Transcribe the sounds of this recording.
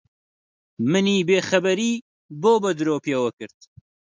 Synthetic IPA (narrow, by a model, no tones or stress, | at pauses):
mɨniːbeːxɐbɐɾiː | boːbɐd̪ɨɾoːpjewɐkɨɾt̪